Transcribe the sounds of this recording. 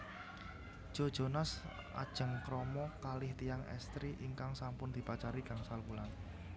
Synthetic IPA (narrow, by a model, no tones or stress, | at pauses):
ʒ̥o̤̥ʒ̥onas | ʔa̰d̥ʒ̥ə̤ŋkɾɔmɔkalɪht̪ijaŋɛ̰st̪ɾiʔiŋkaŋsampʊnd̪̥i̤pat͡ʃaɾiɡ̥a̤ŋsalpulan